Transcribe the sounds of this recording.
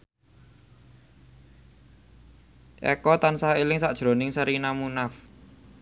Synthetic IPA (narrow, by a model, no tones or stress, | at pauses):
ʔɛ̰kɔt̪ansailɪŋsaʔd̥ʒ̥ɾo̤nɪŋsaɾinamunaf